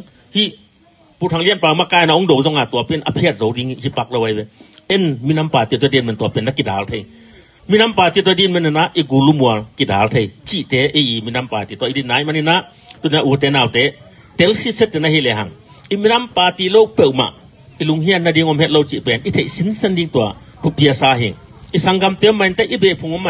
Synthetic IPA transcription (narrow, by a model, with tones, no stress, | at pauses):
hi˧˨ | pu˨t̪ʰa˨ŋli˧˥ənpaː˧˨u˧˦ma˧˨kaː˧˨jna˧˨u˧˦ŋdo˨wzɔ˧˦ŋa˨t̪u˧˨pɛ˧˨nʔɐ̰˧˨pʰi˧ət̚zo˨˦wdi˧˦ŋi˧hi˧˦pa˧k̚lo˧wa˧jbɛ˧ɛ˦nmi˧˨na˦mpaː˨˩t̪i˧˨t̪̬ɔ˧˦di˧˨nmɛ˨nt̪u˧ɐ˨pɛ˧nːa˧ki˨daː˨˦lt̪ʰe˧˨j | mi˦˨na˦mpaː˨t̪i˧˨t̪ɔ˧˦di˧˨nmɛ˧nɛ˧˨na˧˨ʔʔi˧ɡu˨lu˦mu˨ɐ˨lki˧˨daː˨˦lt̪ʰe˧jt͡ʃi˧ʔt̪ɛː˨˦ʔi˧ʔi˨mi˧˨na˧mpaː˨t̪i˧˨t̪ɔ˧ʔi˧di˧˨nːa˨˦i˧˨ma˧˨ni˧˨na˧˦ʔ | t̪u˧˨n˨˧a˧ʔu˨˧t̬ɛː˨˦naː˨˧wtɛ˦ | tɛ˧˦lsi˦sɛ˦t̚ːɛ˧˨nɐ˧hi˧˨lɛ˨ɦɐ˨ŋ | i˧˨mi˦nɐ˦mpaː˨t̪i˧lo˦˧wpɛ˧˨wma̰˨ʔ | i˧lu˨˦ŋɦi˦a˦˧nːɐ˧di˧ŋɔ˧mhɛ˦t̚lo˧wt͡ʃi˧˨pɛ˨˧nʔi˦tʰe˨jʔsi˦nsɛ˦ndi˧ŋt̪u˧˨a˨ | tʰu˧pi˧ɐ˧saː˧ɦḭ˨ŋ | ʔi˨sa˧ŋɡa˧mt̪ɛ˨˦mɐ˧˨jnta˦jʔi˦bɛ˨pʰu˨˧ŋɔ˦mːa˧